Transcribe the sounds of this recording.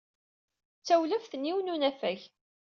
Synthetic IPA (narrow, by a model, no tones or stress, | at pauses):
t͡sːæwləfθənːiwnunæfæç